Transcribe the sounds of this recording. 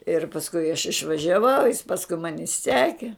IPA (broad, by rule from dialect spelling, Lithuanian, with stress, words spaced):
ɪr pɐsˈkʊɪ ɐʃ ɪʃʋɐʒʲɛˈʋɐʊ jɪs ˈpɑːskʊɪ ˈmɑːnʲɪ ˈsʲæːkʲɪ